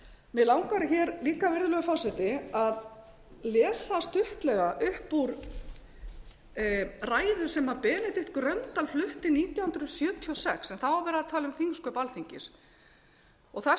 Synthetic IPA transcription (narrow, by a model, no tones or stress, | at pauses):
mɛðlawŋkaɾɪçɛːɾliːkavɪɾðʏlœɣʏfaːsɪt̪ɪað | lɛːsast̪ʏht̪lɛɣaʔʏhpːuɾ | raːjðʏ̥sɛmapɛːnɪt̪ɪht̪kɾœnt̪ːalflʏht̪ɪniːt̪jawhʏnd̪ɾʏɔsjœːt̪ʰiɔsɛksɛnθawaɾvɛːɾaðt̪ʰaːlʏmθiŋskœpalθiɲcɪs | ɔɣθa